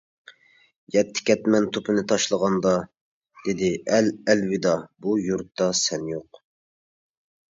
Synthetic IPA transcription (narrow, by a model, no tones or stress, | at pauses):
jɛt̪ʰːɪ̥kʲʰɛt̪mɛnt̪ʰopʰɨnɨt̪ʰɑʃlˠəʁɑnd̪ɑ | d̪̥ɪd̪ɪɛlɛlwɪd̪ɑbujuɾt̪ʰːɑsɛnjoq